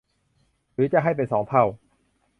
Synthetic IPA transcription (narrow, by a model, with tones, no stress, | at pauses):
ɾɯː˨˦t͡ɕa˧ʔɦa˥˩jp̬e˧nsɔː˩˦ŋp̪ʰa˥˩w